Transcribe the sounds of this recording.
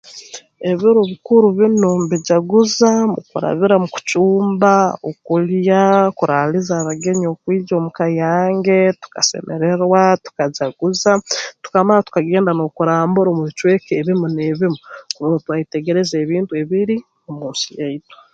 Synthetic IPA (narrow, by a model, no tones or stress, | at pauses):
e̞βuɾuβikuɾuβinomβiɟaɡuzamṵkuɾa̰βiɾamuku̥t͡ʃuːmbaokuljakuɾaːlizaːβaɡe̞ɲo̞ːkwiːd͡ʒo̞ːmukajaːŋɡe̞tu̥ka̰se̞̰me̞ɾe̞ɾwatu̥kaɟaɡuzatu̥kamaɾatu̥kaɡe̞ːndano̞kuɾaːmbuɾoːmuβit͡ʃweːkeβimuneβimukuɾumotwaːiteɡe̞ɾe̞ze̞ːβiːntue̞βiɾi | omuːnsijaitwḁ